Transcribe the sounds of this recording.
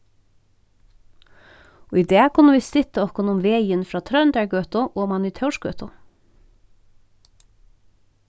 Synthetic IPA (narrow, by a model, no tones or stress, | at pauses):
oːid̪eːkʰʊnəʋiːsɪt̪əɔkʊnʊmʋeɪənfɾɑːt̪ʰɾœnd̪æɹɡøːt̪ʊʔoːmɑnyːt̪ʰɑʉʃɡøːt̪ʊ